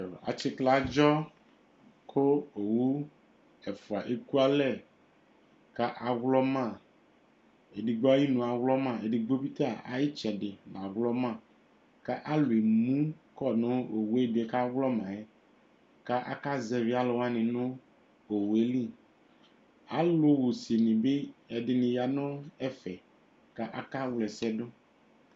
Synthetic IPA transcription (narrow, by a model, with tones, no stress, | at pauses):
a̰˨t͡ʃi˦kla˨˦d͡ʒɔ˦ | kʰo˦o˨wu˦ | ɛ˨fu˨a˨ʔe˦ku˦a˦lɛ˦˨ | ka˦ʔa˨ɣlɔ˦mã˦˨ | e˨di˨ɡ͡bo˦a˦ji˦nũ˨a˨wlɔ˦mã˦˨e˨di˨ɡ͡bo˦bi˦t̪a˦˨a̰˨ji˦t͡ʃɛ˨ɖe˨n˨a˨ɣlɔ˦mã˨ | ka˦ʔa˦lu˨e˨mũ˦kɔ˦˨nʊ̃˦o˨wu˨˦ɛ˦dɛ˨ka˦wlɔ˦mã˨ɛ˦ | ka˦ʔa̰˦ka˦zɛ˨vi˦a˦lʊ˨wa˦nɪ̃˨nʊ̃˦ | o˨wu˨e˦li˦˨ | a˦lʊ˦wo˨si˨e˨nɪ̃˨be˦ɛ˨dɪ˨nɪ̃˨ja˨nʊ̃˦ɛ˦fɛ˨ | ka˦ʔa˨ka˦wlɛ˨sɛ˦dʊ˦